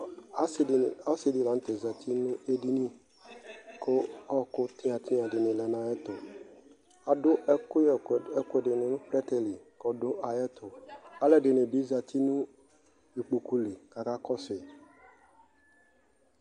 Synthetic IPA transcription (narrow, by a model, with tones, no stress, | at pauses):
a˨˦˨a˦sɪ˨di˨la˨n̩˦t̪e˨za˨t̪ʰi˦nʊ̃˦e˦di˦nĩ˦ | ko˦ɔ˦kʊ˦t̪ĩ˦ã˨t̪ʰi˦a˨dɪ˨nɪ̃˨lɛ˨nã˨ɛ˦t̪ʊ˨ | a˨dʊ˦ʔkʊ˦˨ɛ˦kʊ˦˨dɪ˨nɪ̃˨nũ˦pɾɛ˦t̪ɛ˨li˨ | kɔ˨dʊ˦ʔa˨jɛ˦t̪ʰʊ˨a˨lɛ˦dɪ˨nɪ̃˨bi˨˦za˨t̪i˦nũ˦ | i˨k͡pu˨ku˦le˨ka˨ka˦kɔ˦sɪ˨